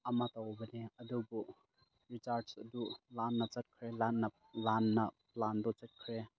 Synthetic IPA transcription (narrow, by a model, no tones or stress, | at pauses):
ɐmat̪awbɐneɐdubu | ɾit͡ʃaɾdsɐdulanːɐt͡sɐt̚kʰɾelanːɐ | lanːɐplandɔt͡sət̚kʰɾe